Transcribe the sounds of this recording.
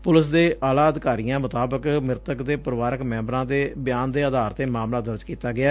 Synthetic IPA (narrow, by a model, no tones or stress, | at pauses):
pʊlɪsd̪eːʔaːlaːəd̪ɪkaːɾijãːmʊt̪aːbəkmɪɾt̪əkd̪eːpəɾəʋaːɾəkmɛ̃ːmbɾãːd̪eːbɪjaːnd̪eːəd̪aːɾt̪eːmaːmlaːd̪əɾd͡ʒkiːt̪aːɡɪaː